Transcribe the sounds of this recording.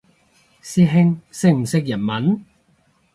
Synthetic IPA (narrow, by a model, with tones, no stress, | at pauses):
siː˧ɦɪ˧ŋsɪ˥˧k̚m̩˨˩sɪ˧k̚jɐ˨˩nmɐ˨˥n